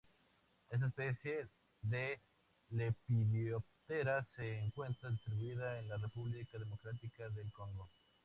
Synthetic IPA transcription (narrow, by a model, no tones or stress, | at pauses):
es̬aespeθje | ðe | lepiðjop̚t̪eɾaseːŋkwe̞nt̪ɾaðist̪ɾiβuiðaenlarepuβlikaðemo̞kɾat̪ikaðelkoŋɡo